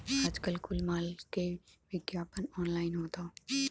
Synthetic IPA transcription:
ad͡ʒkəlkʊlmaːlkeʋɪɡjaːpənɔːnlaːɪnɦoːt̪aː

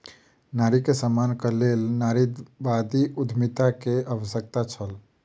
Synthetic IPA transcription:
naɾikesəmankəlelnaɾid̪bad̪iʔud̪ʱmit̪akeʔəʋəsək̚t̪at͡ʃʰəl

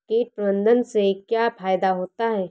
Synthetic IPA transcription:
keːʈ̚pɾəbə̃nd̪ʱənsekjaːfaːjd̪aɦoːt̪aɦɛː

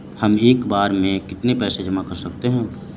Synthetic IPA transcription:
hɐmeːkbaːɾmẽkɪt̪nepɛːsed͡ʒɐmakɐɾsɐkt̪eɦɛ̃ː

